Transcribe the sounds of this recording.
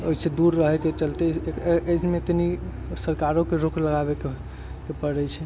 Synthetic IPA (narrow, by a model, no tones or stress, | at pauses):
oised̪uɾːəɦɛket͡ʃəlt̪eemet̪ni | səɾkaɾokeɾokləɣabeke | kepəɽɛt͡ʃʰɛ